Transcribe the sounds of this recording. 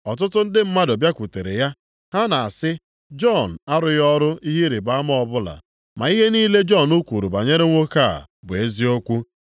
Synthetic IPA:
ɔ˨t̬ʊ˦tʊ˦n̩˦dɪ˦m̩˦ma˦do˨bja˦kʷu˨te˨ɾe˨ja˦ | ɦa˦na˨a˨sɪ˦ | d͡ʒɔ˦˨n̩˨a˦ɾʊ˨jɔ˦ɾʊ˦i˦ɦi˦ɾe˨ba˦m˦ɔ˨bʊ˦la̰˨ | ma˨i˦ɦe˦niː˦le˦d͡ʒɔ˦˨nu˦kʷu˨ɾu˨ba˨ɲe˦ɾe˦ŋʷo˦ka˦˨bʊ˨e˦zi˦o˦kʷu˦

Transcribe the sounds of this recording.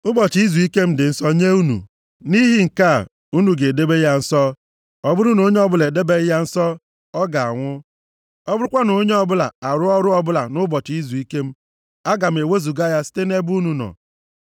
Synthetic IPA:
ʊ˦bɔ˨t͡ʃi˨i˦zu˨i˦ke˦m̩˦dɪ˨n̩˦sɔ˦ɲe˦u˦nṵ˨ | ni˦ɦi˦ŋ̩˨ka˦˨ | u˦nu˨ɡe˨de˦be˦ja˦n̩˦sɔ˦ | ɔ˦bʊ˦ɾʊ˦no˨˦ɲe˦ɔ˦bʊ˦le˨de˦be˦ɣja˦n̩˦sɔ˦ | ɔ˦ɡa˨a̰˨ŋʷʊ˦ | ɔ˦bʊ˦ɾʊ˦kʷa˦no˨˦ɲe˦ɔ˦bʊ˦la̰˨a˨ɾʊ˦ɔ˦ɾʊ˦ɔ˦bʊ˦la̰˨nʊ˦bɔ˨t͡ʃi˨i˦zu˨i˦ke˦m̩˦ | a˦ɡa˨m̩˨e˨we˦zu˨ɡa˦ja˦si̥˦te˦ne˦bu˦nu˨nɔ̰˨

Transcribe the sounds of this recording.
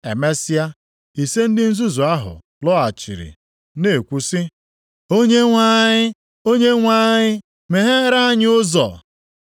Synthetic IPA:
e˨me˦si˦a˦ | i˨se˦n̩˦dɪ˦n̩˦zu˦zu˨a˦ɦʊ̰˨ | lɔ˦a˨t͡ʃḭ˨ɾḭ˨ | ne˨kʷu˦sɪ˦ | o˦ɲe˦ŋʷa˦ɲɪ˦ | o˦ɲe˦ŋʷa˦ɲɪ˦ | me˨ɦe˦ɾa˦ɲ˦ʊ˦zɔ̰˨

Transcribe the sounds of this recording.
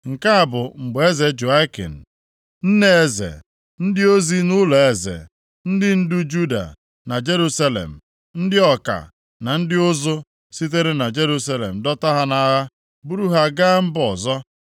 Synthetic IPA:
ŋ̩˨ka˦a˨bʊ˨ŋ͡m̩˨ɡ͡be˦ze˨d͡ʒu˨a˦kḭ˨n̩˨ | n̩˦ne˦e˨zḛ˨ | n̩˦dɪ˦o˦zi˦nʊ˦lɔ˨e˨zḛ˨ | n̩˦dɪ˦n̩˦du˦d͡ʒu˦da̰˨ | na˨d͡ʒe˦ɾu˦sa˦lḛ˨m̩˨ | n̩˦dɪ˦ɔ˨ka̰˨ | na˨n̩˦dɪ˦ʊ˦zo˦ | si˦t̬e˦ɾe˦na˨d͡ʒe˦ɾu˦s̬a˦lḛ˨m̩˨dɔ˦ta˦ɦa˦na˨ɦa˦ | bu˦ɾu˦ɦa˦ɡa˦m̩˦bɔ˨zɔ˦

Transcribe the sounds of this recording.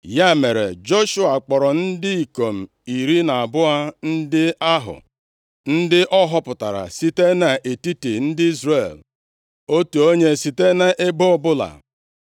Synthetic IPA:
ja˦me˨ɾḛ˨d͡ʒo˦ʃʊ˦a˨k͡pɔ˨ɾɔ˨n̩˦dɪ˦i˨ko˨m̩˨ | i˨ɾi˦na˨a˨bʊ˦a˦n̩˦dɪ˦a˦ɦʊ̰˨ | n̩˦dɪ˦ʔɔ˦ɦɔ˦pʊ˨ta˨ɾa̰˨si˦te˦na˨ʔe˨ti˦ti˨n̩˦dɪ˦i˦zre˦˨l | o˦tu˨o˦ɲe˦si˨te˦na˨ʔe˦ɡ͡bo˦ɔ˦bʊ˦la̰˨

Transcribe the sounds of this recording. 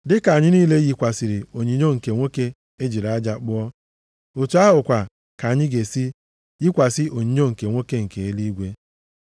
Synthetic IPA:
dɪ˦ka˨ɲɪ˦niː˦le˦ji˨kʷa˨si˨ɾɪ˨o˨ɲi˨ɲo˦ŋ̩˨ke˨ŋʷo˦ke˦ | e˦d͡ʒi˨ɾa˨a˦d͡ʒa˨k͡pʊ˦ɔ˦ | o˨tu˨˦a˦ɦʊ˨kʷa˨ | ka˨a˨ɲɪ˦ɡe˨si˦ | ji˦kʷa˨sɪ˦ʔo˨ɲi˦ɲo˦ŋ̩˨ke˨ŋʷo˦ke˦ŋ̩˨ke˨e˦li˦ɡʷe˦

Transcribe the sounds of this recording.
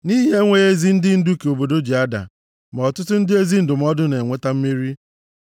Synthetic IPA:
ni˦ɦe˦ŋʷe˦e˦zi˦n̩˦dɪ˦n̩˦du˦ke˨o˨bo˨do˦d͡ʒi˨a˦da̰˨ | m˨ɔ˨tʊ˦tʊ˦n̩˦dɪ˦e˦zi˦n̩˦dʊ˨m̩˦ɔ˦dʊ˦ne˨ŋʷe˦ta˦m̩˦mi˦ɾi˦

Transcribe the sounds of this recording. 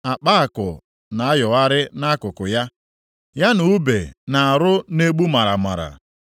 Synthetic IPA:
a˨k͡pa˦a˨kʊ̰˨ | na˨a˦jɔ˨a˦ɾɪ˦na˦kʊ˨kʊ˨ja˦ | ja˦nu˨˦be˨na˨a˨ɾʊ˦ne˦ɡ͡bu˦ma˨ɾa˨ma̰˨ɾa̰˨

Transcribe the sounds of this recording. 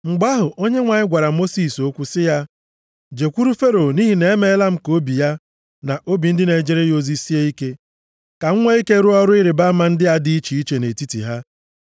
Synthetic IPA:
ŋ͡m̩˨ɡ͡ba˦ɦʊ˨ʔo˦ɲe˦ŋʷa˨ɲɪ˦ɡʷa˨ɾa˨mo˦si˨so˦kʷu˦sɪ˦ja˦ | d͡ʒe˨kʷu˦ɾu˦fe˦ɾo˨ni˦ɦi˨ne˨e˦me˦la˦m̩˦ko˦bi˨ja˦ | na˨ʔo˦bi˨n̩˦dɪ˦ne˨d͡ʒe˦ɾe˦jo˦zi˦si˦e˦i˦ke˦ | ka˨ŋ̩˦ŋʷe˦i˦ke˦ɾu˦ɔ˦ɾʊ˦i˦ɾe˨ba˦ma˨n̩˦dɪ˦a˦dɪ˦i˦t͡ʃi˨i˦t͡ʃe˨ne˨ti˦tḭ˨ɦa˦

